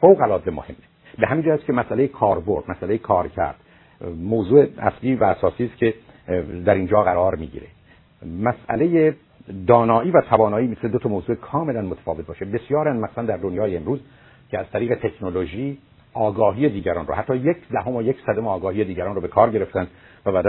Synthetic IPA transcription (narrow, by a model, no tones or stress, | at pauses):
fowɣælɒːzemo̰hemːe | beɦæmind͡ʒæjæscʰemæsʔæle̞jekʰɒːɾbo̞ɾd̪̥mæsælejekʰɒːɾcʰæ̰ɾd̪̥ | moːzuːeʔæ̰sliːvæːsɒːsiːst̪cʰe | d̪æɾiːnd͡ʒɒːɣæɾɒːɾmḭːɟḭːɾe̞̰ | mæsʔæ̰le̞je | d̪ɒːnɒːʔiːvæt̪ʰævɒːnɒːiːmit̪uned̪ot̪ʰɒmoːzuːekʰɒːme̞lænmot̪ʰæ̥fɒːvet̪̚bɒːʃe̞be̞sjɒːɾænmæxsænd̪æɾd̪onjɒːjeːmɾuːz | cʰeæzt̪ʰæɾiːɣet̪ʰe̞kʰno̞loʒiː | ʔɒːɡɒːɦiːje̞d̪iːɟæɾɒːnrɔ̰hæt̪ːɒːjecʰd̪æɦomojecsæd̪omeɒːɡɒːhije̞d̪iːɟæɾɒːnrobe̞kʰɒːɾɟe̞ɾeft̪ænd̪̥ | væbæːd̪æ